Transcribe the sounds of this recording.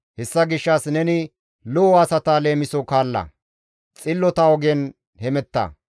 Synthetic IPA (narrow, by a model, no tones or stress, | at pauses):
hɛsːɐɡɪʃːɐsnɛnɪ | lɔwasɐt̪aːle̞ːmɪsɔkaːlːɐ̰ | t͡sʼɪlːɔt̪ɐɔɡɛn | hɛmɛt̪ːɐ̰